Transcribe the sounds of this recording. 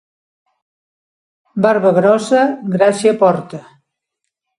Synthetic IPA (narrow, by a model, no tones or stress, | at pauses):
baɾβəɣɾɔsəɡɾasiəpɔɾt̪ə